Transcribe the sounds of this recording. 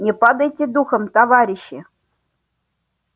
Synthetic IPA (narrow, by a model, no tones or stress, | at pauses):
nʲɪpad̪əjtʲɪd̪uxəmt̪ɐvaɾʲɪɕːɪ